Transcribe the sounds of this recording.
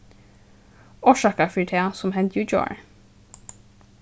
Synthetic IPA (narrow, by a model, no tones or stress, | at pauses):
ɔːʃɑːkəfiʈʰeːsɔmhɛnt̪jʉd͡ʒo̰ːɹ